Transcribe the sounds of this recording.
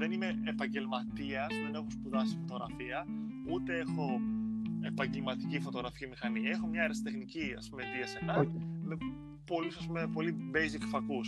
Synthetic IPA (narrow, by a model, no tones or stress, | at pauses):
ðe̞nime̞epɐɲɟe̞lmɐt̪iɐːsspumene̞xospuðɐsifo̞t̪o̞ɣɾɐ̰fiɐut̪e̞e̞xo̞ | epɐɲɟe̞lmɐt̪icifo̞t̪o̞ɣɾɐficimixɐniɐexo̞mɲɐeɾɐsi̥t̪e̞xniciɐ̰spume̞t̪iɐsenɐme̞ | po̞lusɐspumepo̞libe̞jzikfɐkus